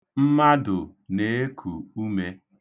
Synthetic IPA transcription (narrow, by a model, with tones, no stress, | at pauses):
m̩˦ma˦dʊ˨ne˨˦e˦kʰu˨u˦me˦